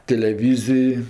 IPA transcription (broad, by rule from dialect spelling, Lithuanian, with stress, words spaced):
tʲɛlʲɛˈʋʲiːzʲɪj